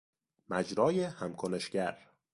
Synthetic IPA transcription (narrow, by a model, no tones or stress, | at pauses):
mæd͡ʒɾɒːjehæmkʰone̞ʃɟ̥æɾ